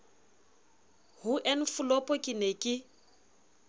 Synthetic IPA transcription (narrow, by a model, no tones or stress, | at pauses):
hʊʔen̩fʊlɔpʼɔkʼɪnekʼɪ